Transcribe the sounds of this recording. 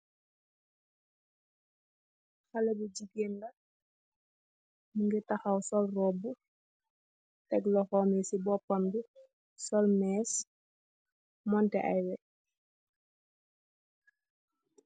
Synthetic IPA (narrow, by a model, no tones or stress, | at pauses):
xalɛbud͡ʒiɡendɐ | muŋɡɛtaxawsɔlrɔbu | tɛɡlɔxɔmɛsibɔpambi | sɔlmɛːs | mɔntɛ̰ʔa̰jwɛ